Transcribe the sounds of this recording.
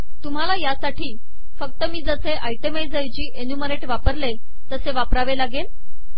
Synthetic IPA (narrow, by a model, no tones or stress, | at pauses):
t̪um̤alajasaʈiː | fək̚t̪əmiːd͡zəseʔajʈemajd͡zajt͡ɕiːʔenjuməɾeʈʋapəɾle | t̪əseʋapɾaʋelaɡel